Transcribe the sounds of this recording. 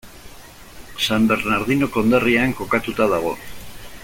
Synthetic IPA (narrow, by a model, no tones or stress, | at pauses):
sambe̞ɾnaɾðino̞ko̞nd̪eriaŋko̞kat̪ut̪aðaɣ̞o̞̰